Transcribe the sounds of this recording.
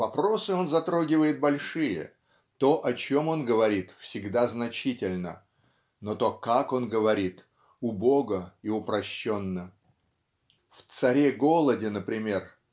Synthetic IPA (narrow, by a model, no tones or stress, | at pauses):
vɐpɾo̞sɨo̞nzɐt̪ɾo̞ɡʲɪvəjɪt̪̚bɐlʲʂɨjə̰ | t̪o̞ʔɐt͡ɕo̞mo̞nɡəvɐɾʲit̪fsʲɪɡd̪aznɐt͡ɕitʲɪlʲnə | not̪o̞kako̞nɡəvɐɾʲit̪ | ʊbo̞ɡəiʊpɾɐɕːo̞nːə | ft̪sɐɾʲeɡo̞lˠədʲɪnəpɾʲɪmʲe̞r